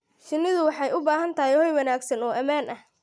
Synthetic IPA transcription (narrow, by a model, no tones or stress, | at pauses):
ʃɪnːɪðʊwɑħɑjʊbaːɦɐnt̪ʰɐɦɪjhɔjwɐnaːɡsɐnɔːʔɐmaːnʔɐh